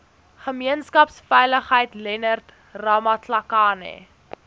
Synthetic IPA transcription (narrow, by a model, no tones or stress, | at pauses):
χəmiənskɐpsfɛjləχɦəjtlɛnərt | rɐmɐtʰlɐkɑːnḛ